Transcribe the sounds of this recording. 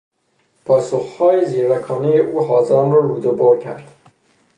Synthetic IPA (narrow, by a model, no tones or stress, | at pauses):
pʰɒːsoχhɒːjeziːɾækʰɒːnejeʔuːɦɒːzɑːmɾɒːɾuːd̪obɒːɾcʰæ̰ɾd̪̥